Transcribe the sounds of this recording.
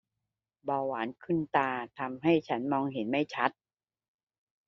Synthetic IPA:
baː˧waː˩˦nkʰɯ˥˩nt̪aː˧t̪ʰa˧mɦa˥˩jt͡ɕʰa˦˥nmɔː˧ŋɦe˩˦nma˥˩jt͡ɕʰa˦˥t̪̚

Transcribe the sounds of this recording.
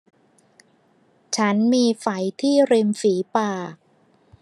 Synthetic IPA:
t͡ɕʰa˦˥nmiː˧fa˩˦jt̪ʰiː˥˩ɾi˧mfiː˩˦paː˨˩

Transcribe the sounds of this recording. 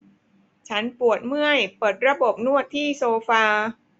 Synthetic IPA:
t͡ɕʰa˦˥npu˨˩ət̪̚mɯ˥˩əjpɤː˨˩t̪̚ɾa˧bo˨˩p̚nu˥˩ət̪ʰːiː˥˩soː˧faː˧

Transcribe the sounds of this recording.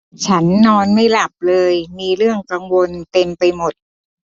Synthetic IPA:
t͡ɕʰa˦˥nːɔː˧nma˥˩jla˨˩p̚lɤː˧jmiː˧ɾɯ˥˩əŋka˧ŋwo˧nt̪e˧mpa˧jmo˨˩t̪̚

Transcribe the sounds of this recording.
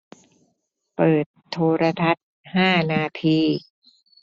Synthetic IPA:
pɤː˨˩t̪ʰːoː˧ɾa˧t̪ʰa˦˥t̪̚ | haː˥˩naː˧t̪ʰiː˧

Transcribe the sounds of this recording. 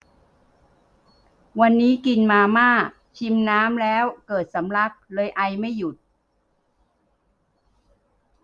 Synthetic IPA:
wa˧nːiː˦˥ki˧nmaː˧maː˥˩k̚ | t͡ɕʰi˧mnaː˦˥mlɛː˦˥wkɤː˨˩t̪̚sa˩˦mla˦˥˩k̚lɤː˧jʔa˧jma˥˩jːu˨˩t̪̚

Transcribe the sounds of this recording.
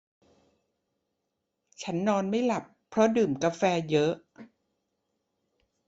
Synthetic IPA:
t͡ɕʰa˦˥nːɔː˧nma˥˩jla˨˩pʰːɾɔ˦˥dɯː˨˩mka˧fɛː˧jɤ˦˥ʔ

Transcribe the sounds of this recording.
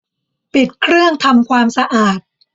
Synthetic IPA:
pi˨˩t̪̚kʰɾɯ˥˩əŋt̪ʰa˧mkʰwaː˧msa˧ʔaː˨˩t̪̚

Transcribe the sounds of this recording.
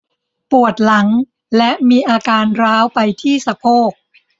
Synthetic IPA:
pu˨˩ət̪̚la˩˦ŋ | lɛ˦˥ʔmiː˧ʔaː˧kaː˧nɾaː˦˥wpa˧jt̪ʰiː˥˩sa˧pʰoː˥˩k̚

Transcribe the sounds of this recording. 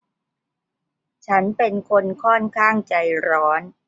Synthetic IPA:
t͡ɕʰa˦˥npe˧nkʰo˧nkʰɔː˥˩nkʰaː˥˩ŋt͡ɕa˧jɾɔː˦˥n

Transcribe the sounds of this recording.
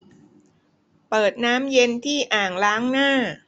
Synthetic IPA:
pɤː˨˩t̪̚naː˦˥mje˧nt̪ʰiː˥˩ʔaː˨˩ŋlaː˦˥ŋnaː˥˩

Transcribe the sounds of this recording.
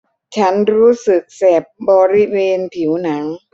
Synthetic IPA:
t͡ɕʰa˦˥nɾuː˦˥sɯ˨˩k̚sɛː˨˩p̚bɔː˧ɾi˦˥weː˧npʰi˩˦wna˩˦ŋ

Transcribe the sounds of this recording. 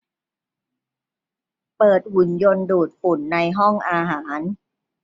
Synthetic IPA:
pɤː˨˩t̪̚hu˨˩njo˧nduː˨˩t̪̚fu˨˩˦nːa˧jɦɔ˥˩ŋʔaː˧ɦaː˩˦n

